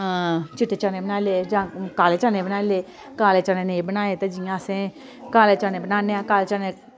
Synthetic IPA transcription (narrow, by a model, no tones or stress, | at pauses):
t͡ʃɪʈːet͡ʃãːnẽbənaːleːd͡ʒãːkaːlet͡ʃãːnẽbənaːleː | kaːleːt͡ʃaːnẽnebənaːet̪ed͡ʒijãsẽ | kaːleːt͡ʃãːnẽbənaːnejãkaːlet͡ʃaːne